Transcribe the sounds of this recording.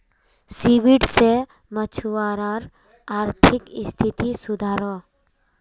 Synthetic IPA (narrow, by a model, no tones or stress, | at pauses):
siʋiɖse | mət͡ʃʰuaɾaɾ | aːɾt̪ʰɪkɪst̪ʰit̪isʊd̪ʱaːɾɔ